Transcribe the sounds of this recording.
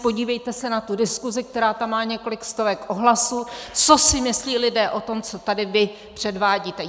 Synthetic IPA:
po̞ɟiːvɛjt̪ɛsɛnat̪udɪskuzɪk̚t̪ɛɾaːt̪amːaːɲɛko̞lɪkst̪o̞vɛkʔoɦlasuːt͡sosɪmɪsliːlɪdɛːʔo̞t̪o̞mt͡sot̪adɪvɪ | pr̝̥ɛdvaːɟiːt̪ɛ

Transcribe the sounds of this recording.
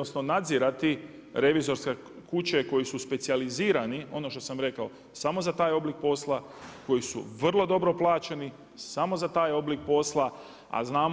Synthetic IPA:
osno̞nad̪ziɾat̪i | ɾe̞ʋizo̞ɾske | kut͡ɕe̞ko̞jisuspe̞t̪sializiːɾanio̞no̞ʃt̪o̞samɾe̞kao̞ | samo̞zat̪aːjo̞blik̚po̞slˠa | ko̞jisṵʋr̩lˠo̞d̪o̞bɾo̞plˠaːt͡ɕeni | samo̞zat̪aːjo̞blik̚po̞slˠa | a̰znaːm

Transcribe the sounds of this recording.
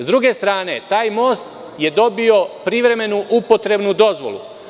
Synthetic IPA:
zd̪ɾuɡe̞st̪ɾaːne̞t̪aːjmo̞ːst̪ | je̞d̪o̞bio̞pɾiʋɾe̞me̞nuʔupo̞t̪ɾe̞bnud̪o̞zʋo̞̰lṵ

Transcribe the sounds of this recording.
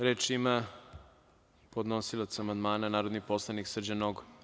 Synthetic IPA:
ɾeːt͡ʃima | pod̪nosilˠat̪samand̪maːnanaːɾod̪niposlˠaniksr̩d͡ʑanoɡo

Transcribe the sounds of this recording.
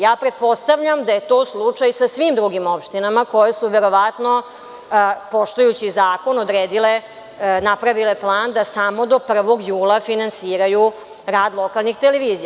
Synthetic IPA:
jaːpɾe̞t̪̚po̞st̪aʋʎamd̪aje̞t̪o̞ːslˠut͡ʂajsasʋimd̪ɾuɡimo̞pʃt̪inamako̞jesuʋe̞ɾo̞ʋat̪no̞ | po̞ʂt̪ujut͡ɕizaːko̞nod̪ɾeːd̪ile | napɾaʋile̞plˠaːnd̪asamo̞d̪o̞pr̩ʋo̞ɡjuːlˠafinansiːɾaju | ɾaːd̪lˠo̞kalˠnixt̪eleʋiːzija

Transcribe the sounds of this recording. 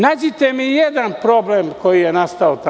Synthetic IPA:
naːd͡ʒit̪emijed̪anpɾo̞blemko̞jijenast̪aot̪a

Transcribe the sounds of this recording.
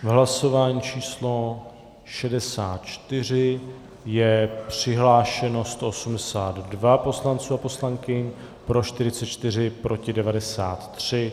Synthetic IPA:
vɦlaso̞vaːɲiːt͡ʃʰiːslo̞ | ʃɛdɛsaːt̪t͡ʃt̪ɪr̝ɪ | jɛpr̝̥ɪɦlaːʃɛno̞st̪o̞ʔosumdɛsaːd̪dvapo̞slant͡suːapo̞slaŋkɪɲ | pɾo̞ʃt̪ɪɾɪt͡sɛt̪t͡ʃt̪ɪr̝ɪpɾo̞cɪdɛvadɛsaːt̪ːr̥ɪ

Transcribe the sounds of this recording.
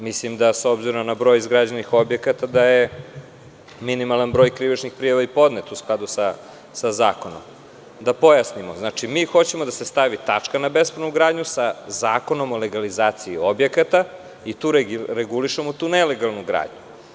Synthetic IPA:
mislimd̪aso̞bziɾomnabɾo̞jizɡɾad͡ʑenixo̞bje̞kat̪ad̪aje | minimalˠanbɾo̞ːjkɾiʋit͡ʃnixpɾijaʋaipo̞d̪net̪usklˠad̪usa | sazaːko̞no̰m | d̪apo̞jasnimoznaːt͡ʃimiːxo̞t͡ɕe̞mod̪ase̞st̪aʋit̪at͡ʂkanabesponuɡɾaːd̪ɲusazaːko̞no̞mole̞ɡalizaːt̪siio̞bje̞kat̪a | it̪uːɾɾeɡuliʃemot̪uːnele̞ɡalˠnuɡɾa̰ːd̪ɲu

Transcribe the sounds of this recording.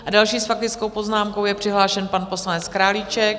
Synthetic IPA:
ʔadalʃiːsfak̚t̪ɪt͡sko̞wpo̞znaːmkowjɛpr̥ɪɦlaːʃɛnpanpo̞slanɛt͡skɾaːlit͡ʃɛk

